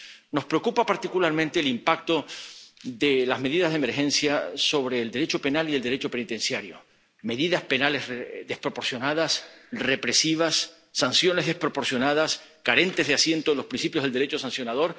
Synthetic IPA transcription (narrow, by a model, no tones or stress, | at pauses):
no̞spɾe̞okupapaɾt̪ikulaɾmẽnt̪e̞ːlimpak̚t̪o̞ | ðelazme̞ðiðazðeme̞ɾxe̞nsjaso̞βɾe̞ːld̪e̞ɾet͡ʃope̞nalield̪e̞ɾet͡ʃo̞pe̞nit̪e̞nsjaɾjo̞̰ | me̞ðiðaspenalesðespɾo̞po̞ɾsjo̞naðasre̞pɾe̞siβ̞asː | ansjo̞ne̞zðe̞hpɾopo̞ɾsjo̞naðaskaɾe̞nt̪e̞zðasje̞nt̪oelo̞spɾinsipjozðeleɾe̞t͡ʃosansjo̞naðo̞ɾ